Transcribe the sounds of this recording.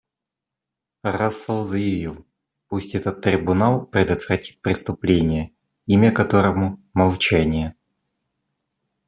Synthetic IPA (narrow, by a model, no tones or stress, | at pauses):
rasːəlˠzəjɪvʲilˠ | pusʲtʲɛt̪ət̪ːɾʲɪbʊnalˠpɾʲɪd̪ət̪v̥rɐtʲi̥t̪̚pɾʲɪst̪ʊplʲenʲɪjə | imʲəkɐt̪oɾəmʊmɐlˠt͡ɕænʲɪjə